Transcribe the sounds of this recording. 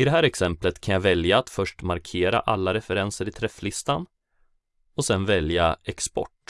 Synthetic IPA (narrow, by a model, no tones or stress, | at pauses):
ɪd̪ɛɦæːɾɛksɛmplət̪kʰanjavɛljaːt̪fœʂʈmaɾkʰeːɾa̰ʔalːaɾɛfɛɾɛnsəɾɪt̪ʰɾɛflɪst̪an | ɔsɛnvɛljaɛkspɔ̰ʈː